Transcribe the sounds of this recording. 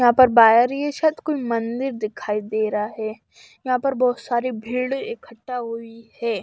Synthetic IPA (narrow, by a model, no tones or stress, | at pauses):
jɐɦãːpɐɾbaːjəɾijeʃat̪koːimɐ̃nd̪ɪɾd̪ɪkʰaːid̪eːɾaɦɛː | jɐɦãpɐɾbɔːt̪saːɾibʱiːɽekʰəʈːaɦʊihɛː